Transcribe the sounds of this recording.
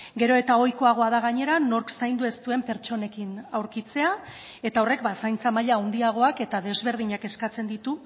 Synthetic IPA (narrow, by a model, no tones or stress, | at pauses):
ɡe̞ɾo̞e̞t̪ao̞jko̞aɣ̞o̞að̞aɣaɲe̞ɾano̞ɾksajnd̪ue̞st̪ue̞mpe̞ɾt͡ʃo̞ne̞kinawɾkit͡se̞a | e̞t̪ao̞re̞kbasajnt͡samaʎaond̪iaɣ̞o̞ake̞t̪aðe̞zβ̞e̞ɾð̞iɲake̞skat͡se̞nd̪it̪u